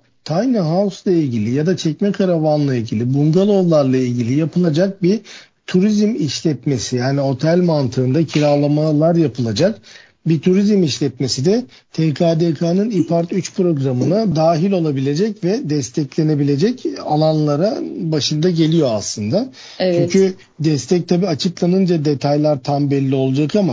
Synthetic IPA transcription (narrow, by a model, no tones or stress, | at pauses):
t̪ʰajnɯɦaslˠailʲɟilʲijad̪at͡ʃʰɛcmɛkʰaɾavanlˠailʲɟilʲibuŋɡalˠovlˠaɾlˠailʲɟilʲijapʰɯlˠad͡ʒak̚bi | t̪ʰuɾizmiʃlʲɛt̪me̞sijaːnio̞t̪ʰælʲmant̪ʰɯːnd̪acʰilʲalˠamalˠaɾjapʰɯlˠad͡ʒak | bit̪ʰuɾizmiʃlʲɛt̪̚me̞sid̪ɛ | t̪ʰɛkʰaːd̪ekʰanɯnipaɾt̪yt͡ʃpʰɾo̞ɡɾamɯnad̪aːɦilʲo̞lˠabilʲe̞d͡ʒɛcvɛd̪ɛst̪ʰɛclʲe̞ne̞bilʲe̞d͡ʒɛcalˠanlˠaɾabaʃɯnd̪aɟe̞lʲijo̞aslˠɯnd̪a | t͡ʃʰycʰy | d̪ɛst̪ʰɛc̚t̪ʰabiat͡ʃʰɯplˠanɯnd͡ʒad̪e̞t̪ʰajlʲˠaɾt̪ʰambɛlʲːio̞lˠad͡ʒakama